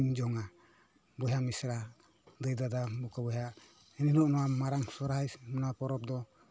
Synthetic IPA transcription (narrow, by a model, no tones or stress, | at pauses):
nd͡ʒɔŋa | bɔɦjamisɾa | dɯjdadamukabɔɦa | ɛniɾɔnɔamaɾaŋsɔɾaajsmɔnapɔɾɔp̚dɔ